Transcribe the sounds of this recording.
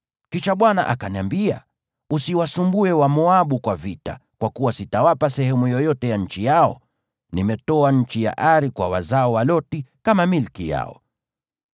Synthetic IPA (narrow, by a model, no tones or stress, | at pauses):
kiʃaɓwana̰ʔa̰kaniambia̰ | usiwasumbuɛwamɔaɓukwavita̰kwakuwasitawapasɛhɛmujɔjɔtɛjaɲ̩t͡ʃijaɔ̰ | nimɛtɔaɲ̩t͡ʃija̰ʔaɾikwa̰wa̰zaɔwalɔtikamamilkija̰ɔ̰